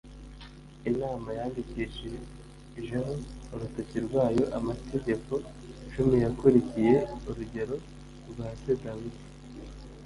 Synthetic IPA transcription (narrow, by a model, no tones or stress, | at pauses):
inaːmajaːndiciːʃije | iʒeɦoːɾutaciɾɡwaːjo̞ʔamatʰe̞ɟe̞ko̞ | ʃumijakuɾicije̞uɾuɟe̞ɾo̞ | ɾɡaːtedawidi̥